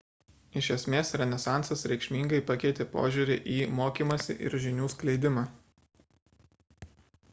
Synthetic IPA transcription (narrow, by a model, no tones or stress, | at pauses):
ɪʃʲɛsʲmʲeːsɾʲɛnʲɛsɑˑnt̪sɐsɾʲɛɪkʃʲmʲiːŋɡɐɪpɐkʲɛɪt̪ʲeːpo̰ːʒʲuɾʲɪʔiːmoːkʲiːmɐsʲɪ̰ʔɪ̰ɾʒʲɪnʲuːsklʲɛɪd̪ʲɪmɑː